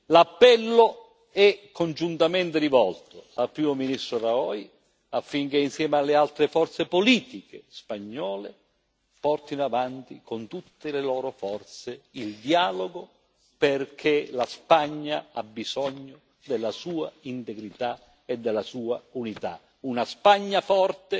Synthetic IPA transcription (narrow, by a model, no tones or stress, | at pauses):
lapːɛlːo | ɛkʰːond͡ʒunt̪amɛnt̪eɾivɔlt̪ʊalpɾiːmominist̪ɾoraɔːj | afːiŋk̟einsjɛːmalːealt̪ɾefɔrt̪sepoliːt̪ikespaɲːɔːle | pɔrt̪inoavant̪ikont̪ut̪ːelelɔːɾofɔrt̪seild̪jaːloɡo | perkʰelaspaɲːaa̰bːizɔɲːo | d̪elːasuːaint̪eɡɾit̪a | ed̪ːɛlːasuːaunit̪a̰ | unaspaɲːafɔrt̪e